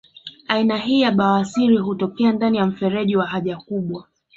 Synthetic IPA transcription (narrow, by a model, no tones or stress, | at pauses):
ainaɦiːjaɓawasiɾiɦutɔkɛandanijam̩fɛɾɛʄiwaɦaʄakuɓwa